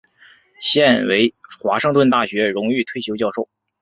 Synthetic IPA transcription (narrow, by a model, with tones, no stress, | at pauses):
ɕjɛ˥˩nwe˧˥ɪxwa˧˥ʂɤ˥˧ŋt̪wə˥˧nt̪a˥˩ɕɥɛ˧˥ɻʊ˧˥ŋy˥˧t̪ʰwe˥˧ɪɕjo˧˥ʊt͡ɕjɑ˥˧ʊʂo˥˩ʊ